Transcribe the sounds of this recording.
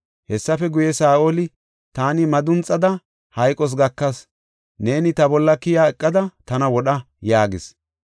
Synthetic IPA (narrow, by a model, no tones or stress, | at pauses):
hɛsːɐfɛɡʊjɛsaːʔolɪ | t̪aːnɪmɐd̪ʊnt͡sʼːɐd̪ɐ | hɐjkʼɔs̬ɡɐkːɐs | ne̞ːnɪt̪ɐbɔlːɐkɪjaːɛkʼːɐd̪ɐt̪ɐnɐwɔɗɐ | jaːɡɪs